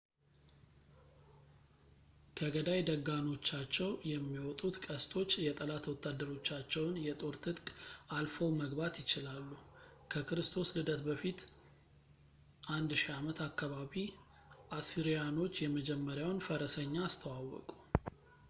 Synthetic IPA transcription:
kʰəɡəd̪ajd̪əɡːano̞t͡ʃːat͡ʃːɛwjɛmːiwɔt̪ʼut̪kʼəst̪ʰo̞t͡ʃːjɛt̪ʼəlat̪wɔt̪ʰːad̪ːəɾo̞t͡ʃːat͡ʃːɛwnjɛt̪ʼo̞ɾt̪ʰɨt̪ʼkʼalfowməɡbat̪jɪt͡ʃɪlalːu | kʰəkʰɨɾɨst̪ʰo̞slɨd̪ət̪bəfit̪ | ʔand̪ʃiamət̪ʰakːaβaβi | ʔasiɾijano̞t͡ʃːjɛməd͡ʒɛmːəɾjawnfəɾəsəɲːaːst̪ʰəwawɔ̰kʼu̥

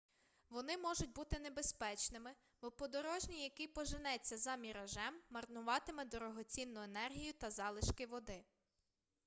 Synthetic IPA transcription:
ʋɔnɪmɔʒʊtʲbut̪ɪnebespɛt͡ʃnɪmɪ | bɔpɔd̪ɔɾɔʒnʲijɐkɪjpɔʒɪnɛt͡sʲːɐzɐmʲiɾɐʒɛmːɐrnʊʋɑt̪ɪmɪd̪ɔɾɔɦɔt͡sʲinːʊenɛrɦʲijʊt̪ɐzɑlˠɪʃkɪʋɔd̪ɪ

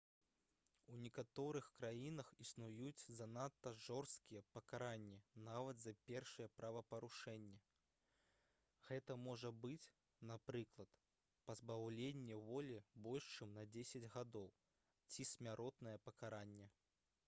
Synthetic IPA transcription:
unʲɛkat̪ɔɾɨxkɾajinɐxisnujut͡sʲzɐnat̪ːɐʐɔrst̪̚kʲijɛpɐkaɾanʲːɛnavɐd̪zɐpʲɛrʂɨjɛpɾɐvɐpɐɾuʂɛnʲːɛ | ɣɛt̪ɐmɔʐɐbɨt͡sʲ | napɾɨklˠɐt̪ | pɐzbawlʲenʲːɛvɔlʲibɔlʲʂt͡ʂɛmnɐd͡zʲesʲɐd͡zʲɣad̪ɔw | t͡sʲisʲmʲaɾʔɔt̪nɐjɛpɐkaɾanʲːɛ

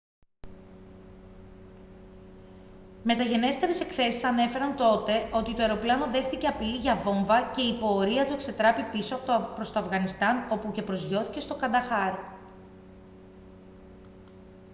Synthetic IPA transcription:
me̞t̪ɐʝe̞ne̞st̪e̞ɾese̞kθe̞sisɐne̞fe̞ɾɐnt̪o̞t̪e̞ʔo̞t̪it̪o̞e̞ɾo̞plɐɐno̞ðe̞xt̪ice̞ɐpiliʝɐvo̞ɱvɐce̞ipo̞ːɾiɐt̪ue̞kse̞t̪ɾɐpipisoɐppɾo̞st̪o̞ɐfɣɐnist̪ɐno̞puce̞pɾo̞zʝo̞θice̞st̪o̞kɐnd̪ɐxɐɾ

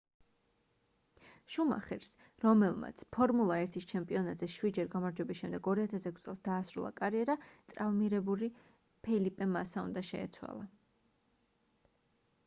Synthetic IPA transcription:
ʃuma̰χɛ̰ɾs | ɾɔmɛlˠma̰t̪sʰpʰɔɾmulˠaɛɾt̪ʰist͡ʃʰɛmpʼiɔnat̪ʼz̥ɛʃwid̪d͡ʒɛɾɡamaɾd͡ʒwɛbisʃɛmd̪ɛɡɔɾiat̪ʰasɛkʷʰst̪sʼɛ̰lˠsd̪aːsɾṵlˠa̰kʼaɾiɛɾat̪ʼɾavmiɾɛbuli | pʰɛlipʼɛmasaṵnd̪aʃɛ̰ːt̪sʰwa̰lˠa

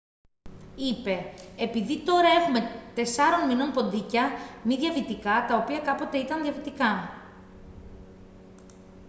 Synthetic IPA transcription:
ipe̞ːpiðit̪o̞ɾɐeɣume̞t̪e̞sɐɾo̞nmino̞npo̞nd̪icɐmiðʝɐvit̪ikɐt̪ɐopiɐkɐpo̞t̪e̞it̪ɐnðiɐvit̪ikɐ

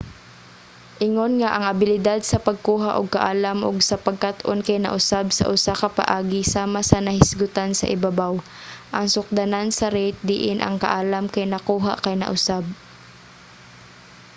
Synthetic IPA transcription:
ʔɪŋonŋaʔɐŋʔɐbɪlɪd̪ad̪̚sɐpɐɡ̚kuːɦaʔʊɡ̚kɐʔaːlamʔʊ̰ɡsɐpɐɡ̚kat̪ʔonkɐjnɐ̰ʔʊsabsɐ̰ʔʊsakɐpɐ̰ʔaːɡɪsaːmasɐnɐhɪsɡʊt̪ansɐ̰ʔɪbabaw | ʔɐŋsʊk̚d̪anansɐɾɛt̪̚d̪ɪʔɪnʔɐ̰ŋkɐʔaːlamkɐjnɐkuːɦaʔkɐjnɐ̰ʔʊsab̚

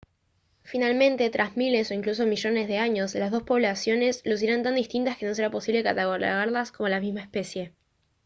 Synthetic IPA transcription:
finalmẽ̞nt̪e̞t̪ɾʔazmile̞so̞iŋklus̬o̞miʒo̞ne̞zðeaɲo̞zlazðo̞spo̞βlasjo̞ne̞slos̬iɾant̪and̪ist̪int̪aske̞no̞s̬e̞ɾapo̞siβle̞kat̪aɣola̰ɣaɾlasko̞mo̞lamizmaespe̞sje̞

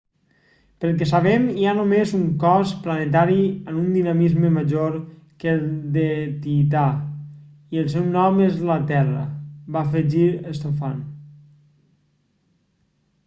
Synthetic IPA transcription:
pəlˠk̬ɛsaβɛmianomezuŋkɔsplənet̪̬aɾiənund̪inamizməməʒoɾ | kelˠd̪et̪it̪a | iəlˠsɛwnɔmezlat̪ɛrə̰bafeʒiɾəst̪ofan

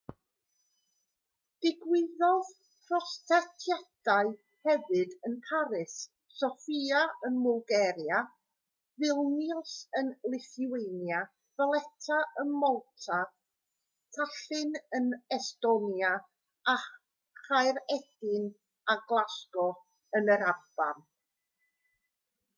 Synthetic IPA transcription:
d̥ɪɡwɪðɔð | pʰrɔsθɛtʰjad̥aɨ | hɛvɨdənpʰaɾɪsː | ɔfiaənmʊlˠɡɛɾja | vɪlˠnjsənlˠɪθiwejnja | valˠɛtʰaənmɔlˠtʰa | tʰaɬɨnənɛstɔnja | a | χajɾɛd̥ɪn | aɡlˠaskɔ | ənəɾarb̥am

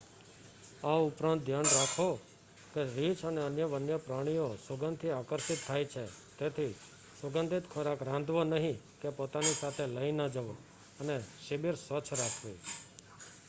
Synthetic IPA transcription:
aʊpɾãnt̪̚d̪ʱjanɾakʰo | keɾit͡ʃʰəneənjəʋənjəpɾaɽ̃ijosəɡənd̪ʰʱiakəɾʃɪt̪ʰːajt͡ʃʰet̪et̪ʰi | səɡənd̪ʱit̪kʰəɾakɾãnd̪ʋonəɦĩkepot̪anisat̪ʰeləinəd͡ʒəʋo | əneʃɪbiɾsʋət͡ʃʰɾakʰʋḭ

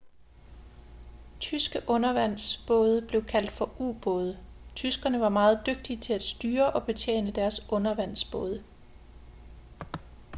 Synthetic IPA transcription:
t͡sʰysɡ̥əʔɔ̽nɐʋæn̰sb̥ɔ̽ːð̞ˠəb̥le̝ʊkʰæl̰d̥fɒ̽ʔṵːb̥ɔ̽ːð̞ˠət͡sʰysɡ̥ɐnəʋɑ̈mɑ̈ːð̞̩ˠd̥øɡ̥̚d̥it͡sʰe̝læd̥sd̥yːɐʔɒ̽b̥e̝t͡sʰjḛːnəd̥æɐsʔɔ̽nɐʋæn̰sb̥ɔ̽ːð̞ˠə

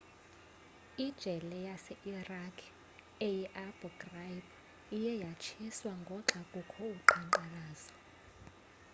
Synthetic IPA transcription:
id̥ʒ̥ʱɛlɛjasɛʔirakʰ | ejiʔabuɡrajb | ijɛjat͡ʃʰiswaŋɡʱɔǁakʼukʰɔuǃaŋǃanaːzɔ

